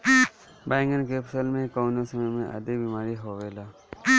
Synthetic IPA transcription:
bajŋɡənk̬eːpsəlmẽkawnosəməjmẽʔə̰d̪ikbimaːɾiɦoʋela

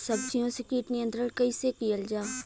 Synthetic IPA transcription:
səb̚d͡ʒijõsekiːʈnijənt̪ɾəlkəisekijəld͡ʒaː

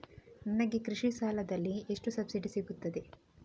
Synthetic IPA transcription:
nɐnɐɡekɾiʂisaːlɐd̪ɐlːieʂʈusɐbsiɖisiɡut̪ːɐd̪e

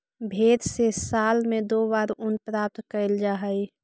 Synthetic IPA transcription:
bʱeːd̪sesaːlmẽd̪oːbaːɾʊnpɾaːp̚t̪kəld͡ʒaːɦəj

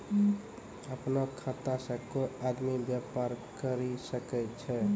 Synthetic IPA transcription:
əpnakʰat̪asə̃koad̪mibjapaɾkəɾisəkɛt͡ʃʰɛ

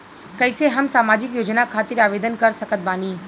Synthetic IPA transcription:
kɐɪseɦɐmsaːmaːd͡ʒɪkjoːd͡ʒnakʰaːt̪ɪɾaːʋeːd̪ənkɐɾsəkət̪̚baːniː

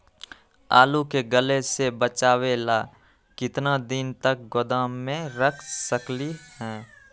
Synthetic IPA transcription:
a̰ːlukeɡəlesebət͡ʃaːweːla | kɪt̪nad̪ɪnt̪ək̚ɡod̪aːmːẽɾəkʰsəklihɛː

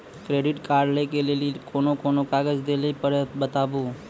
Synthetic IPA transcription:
kɾeːɖɪʈkaːɾɖlekelelikoːnokoːnokaːɡəd͡ʒd̪elepəɾbət̪aːboː

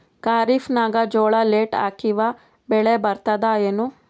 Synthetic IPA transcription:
kaːɾifnaːɡɐd͡ʒɔːɭɐleːʈa̰ːkiʋɐ | bɛɭebɐɾt̪ɐd̪aeːnu

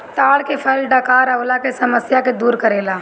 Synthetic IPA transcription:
t̪aːlkepʰɛlɖaːkaːɾɐolakesɐməsjaked̪uːɾkəɾeːlaː

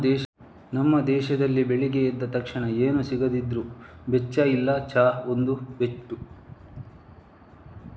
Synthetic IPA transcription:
d̪ɛːʃ | nɐmːɐd̪ɛːʃɐd̪ɐlːibeɭiɡeid̪ːɐt̪ɐkʂɐɳɐeːnusiɡɐd̪id̪ɾubet͡ʃːɐilːɐt͡ʃaːond̪ubeʈːu

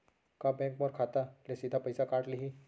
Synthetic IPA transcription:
kabɛ̃ːŋkmɔɾkʰaːt̪alesid̪ʱapɐjsakaːʈliɦi

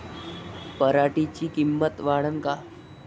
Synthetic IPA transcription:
pəɾaʈit͡ɕiːkimːət̪ʋaɽənka

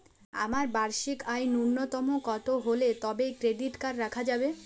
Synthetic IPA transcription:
a̰maɾbaɾʃikajnuɾnːot̪ɔmokɔt̪oɦolet̪ɔbekɾeɖiʈkaɾːakʰad͡ʑabe

